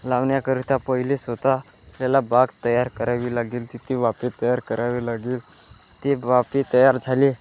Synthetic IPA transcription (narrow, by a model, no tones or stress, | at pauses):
laʋnjakəɾit̪apəɦilesʋət̪a | plalabaɡt̪əjaɾkəɾaʋiːlaɡiːlt̪it̪iʋapit̪əjaɾkəɾaʋilaɡiːl | t̪iʋapit̪əjaɾd͡zʱali